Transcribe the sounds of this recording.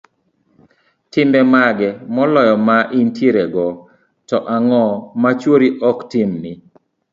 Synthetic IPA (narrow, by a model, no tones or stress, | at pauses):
tɪmbɛmaɡɛmɔlɔjɔmaʔintiɾɛɡɔ | tɔʔaŋɔmat͡ʃwoɾiʔɔktɪmnɪ